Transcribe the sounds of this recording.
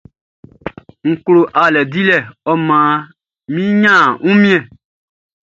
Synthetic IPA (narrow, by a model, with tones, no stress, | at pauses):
ŋ̩˨klo˨ʔa˨lɛ˨di˦lɛ˨ɔ˦mãː˨ | mĩ˦ɲã˦˨ŋũ˦mĩ˦ɛ̃˨